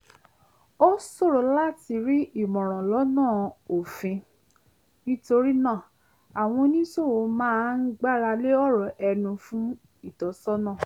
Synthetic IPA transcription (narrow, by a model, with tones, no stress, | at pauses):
o˦so˦˨ɾo˨˦la˦ti˨˧ɾi˦i˦˨mɔ̃˨ɾ̃ɔ̃˨lɔ˨˦nãː˦˨o˨fĩ˨˧ | nĩ˦to˧ɾi˦nãː˦˨ | a˨w̃ɔ̃˧nĩ˦so˦˨wo˨˧mãː˦n̩˦ɡ͡ba˦˨ɾa˧le˦ɔ˦ɾɔ˨ʔɛ˧nũ˧fũ˦ | i˦˨tɔ˨sɔ˦nãː˦˨